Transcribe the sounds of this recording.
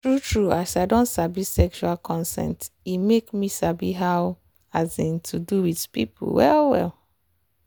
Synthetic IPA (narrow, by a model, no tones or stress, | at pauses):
tɹutɹuasaɪdõntsabisɛkʃualkʰɔ̃nsɛ̰̃ntimekmisabiɦaʊ | azĩntʰuduwidpḭpṵwɛ̰lwɛ̰l